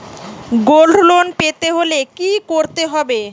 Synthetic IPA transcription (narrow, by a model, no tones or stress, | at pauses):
ɡolɖʱlonpet̪eɦolekikoɾt̪eɦɔbe